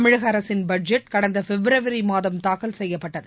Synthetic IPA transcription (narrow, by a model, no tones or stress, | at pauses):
ɐmɪɻɐɣɐɐɾɐsɪnbɐɖd͡ʒɛʈkɐɽɐnd̪ɐfɛbɾɐʋɐɾimaːðɐmt̪aːkɐlsɛjːɐpːɐʈːɐðɯ